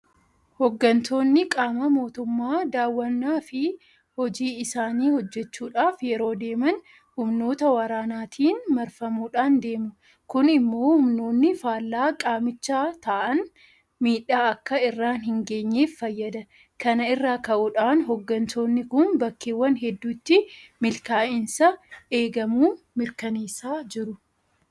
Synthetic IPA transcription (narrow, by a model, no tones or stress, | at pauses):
hɔɡːɐnt̪o̞ːnːɪkʼaːmɐmo̞ːt̪ʊmːaːd̪aːwːɐnːaːfɪ | hɔd͡ʒiːɪsaːniːhɔd͡ʒːɛt͡ʃːuːᶑaːfjɛɾo̞ːd̪e̞ːmɐn | hʊmno̞ːt̪ɐwɐɾaːnaːt̪ʰiːnmɐɾfɐmuːᶑaːnd̪e̞ːmʊ | kʊnɪmːo̞ːhʊmno̞ːnːɪfaːlːaːkʼaːmɪt͡ʃːaːt̪aːʔɐn | miːᶑaːɐkːɐɪrːaːnɦɪŋɡe̞ːɲːeːfːɐjːɐd̪ɐ | kɐnɐɪrːaːkɐʔʊᶑaːnɦɔɡːɐnt̪o̞ːnːɪkʊnbɐkːeːwːɐnɦɛd̪ːuːt̪ːɪmɪlkaːʔɪnsɐe̞ːɡɐmuː | mɪɾkɐneːsːaːd͡ʒɪɾʊ